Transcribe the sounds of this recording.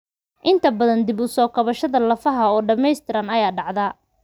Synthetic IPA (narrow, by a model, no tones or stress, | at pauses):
ʔɪnt̪ʰɐbɐðɐnd̪ɪbʊsɔːkʰɐβɐʃɐðɐlɐfɐɦɐɔːɖɐmɛjst̪ʰɪɾɐnɐjaːɖɑʕðɐ